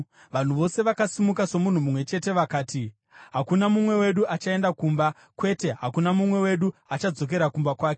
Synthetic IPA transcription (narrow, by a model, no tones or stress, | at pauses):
ʋan̤uʋo̞se̞ʋakasimukaso̞mun̤umumwe̞t͡ʃe̞te̞ʋakaːti | ɦakunamumwe̞we̞ɗuʔat͡ʃae̞ndakuːmba | kwe̞te̞ɦa̰kunamumwe̞we̞ɗuat͡ʃad͡zo̞k̬e̞ɾakumbakwaːke̞